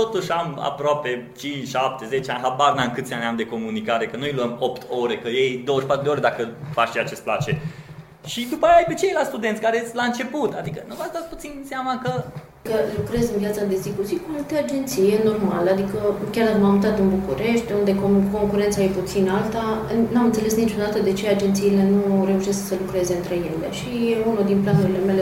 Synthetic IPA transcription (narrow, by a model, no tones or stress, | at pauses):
t̪o̞t̪uʃʲama̰pɾoape̞t͡ʃint͡ʃʃap̚t̪e̞ze̞t͡ʃeanʲɦabarnaɨnkɨt̪sʲanʲamd̪e̞ko̞munikaɾe̞kənujluəmo̞pt̪ʰo̞ɾe̞kəjejd̪o̞wəʃpat̪ɾud̪eoɾed̪akəfat͡ʃʃiat͡ʃe̞st̪plat͡ʃe̞ | ʃid̪upajajpet͡ʃejlast̪ud̪ent̪sʲkaɾelaɨnt͡ʃe̞put̪ad̪ikənuvasd̪at̪sput̪sinseamakə | kəlukɾe̞zɨnvjat̪sad̪e̞zd̪ikusikualt̪e̞ad͡ʒe̞nt̪sijeno̞rma̰ləad̪ikəkʲard̪akəmammɨnt̪at̪ɨnbukuɾe̞ʃt̪ʲund̪e̞koko̞ŋkuɾe̞nt̪sajeput̪sinalt̪anamɨnt̪se̞le̞snit͡ʃo̞d̪at̪əd̪e̞t͡ʃe̞ad͡ʒe̞nt̪siːle̞nure̞uʃesksəlukɾe̞ze̞ɨnt̪ɾe̞je̞lḛʃieunod̪inplanuɾile̞me̞le